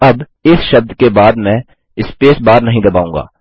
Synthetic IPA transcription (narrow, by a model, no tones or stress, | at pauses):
ɐb | ɪsʃɐb̚d̪kebaːd̪mɛ̃ː | ɪspeːsbaːɾnɐɦĩd̪ɐbaːũːŋɡa̰ː